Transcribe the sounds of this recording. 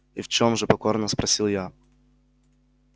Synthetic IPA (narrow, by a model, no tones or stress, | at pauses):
ift͡ɕomʐɨpɐkornəspɾɐsʲilˠja